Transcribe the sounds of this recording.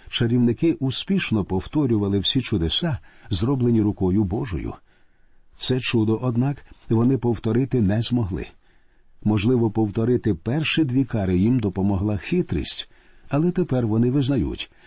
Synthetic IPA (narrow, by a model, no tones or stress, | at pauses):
t͡ʃeɾʲiwnɪkɪʔʊspʲiʃnɔpɔwt̪ɔɾʲʊʋɐlˠɪwsʲit͡ʃʊd̪esɑzɾɔblˠenʲiɾʊkɔjʊbɔʒɔ̰jʊ̰ | t̪sɛt͡ʃud̪ɔʔɔd̪nɑkʋɔnɪpɔwt̪ɔɾɪt̪ɪnɛzmɔɦlˠɪ̰ | mɔʒlˠɪʋɔpɔwt̪ɔɾɪt̪ɪpɛrʃid̪ʲʋʲikɑɾɪjimd̪ɔpɔmɔɦlˠɑxɪt̪ɾḭsʲtʲ | ɐlˠɛt̪epɛrʋɔnɪʋɪznɐjṵtʲ